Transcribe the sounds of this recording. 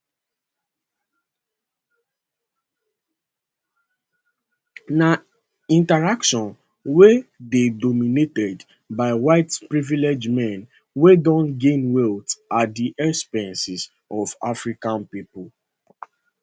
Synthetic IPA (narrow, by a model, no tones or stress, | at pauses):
na | ĩntaɹakʃɔ̃n | wededɔminetɛd | baɪwaɪtpɹiviled͡ʒmɛ̃n | wedɔ̃ntɡẽnwɛltadiʔɛkspɛ̃nsiz | ʔɔva̰fɹikãnpipʊl